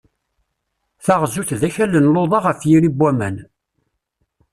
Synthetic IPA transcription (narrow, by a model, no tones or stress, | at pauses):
θaʁzuθðæçælːənloðˤɑʁəfjiɾibːæmæ̰n